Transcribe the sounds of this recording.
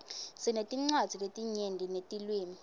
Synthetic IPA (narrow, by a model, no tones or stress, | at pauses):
sinetʼiŋ͡ǀad̥z̥ʱiletʼiɲendʱinetʼilweːni